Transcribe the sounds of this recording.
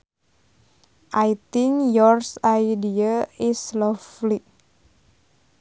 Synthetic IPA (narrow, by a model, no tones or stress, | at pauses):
ʔajt̪iŋjɔrsajdiaislɔfli